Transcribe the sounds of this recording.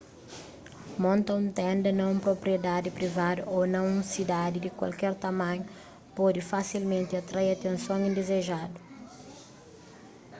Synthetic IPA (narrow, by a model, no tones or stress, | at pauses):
mõnt̪ɐ̃ũnt̪ɛ̃nd̪ɐnɐ̃ũpɾopɾied̪ad̪ɪpɾivad̪ʊonɐ̃w̃ũsid̪ad̪ɪd̪ɪkwa̰lkɛɾt̪ɐmɐ̃ɲʊ | pɔd̪ɪfasilmẽnt̪ɪat̪ɾajɐt̪ẽnsõŋ̃ĩnd̪ezeʒad̪ʊ